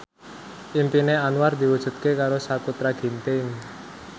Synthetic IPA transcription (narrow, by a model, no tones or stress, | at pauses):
ʔimpineanuward̪i̤wud̥ʒ̥ṳt̪̚kekaɾosakut̪ɾaɡ̥i̤nt̪ɪŋ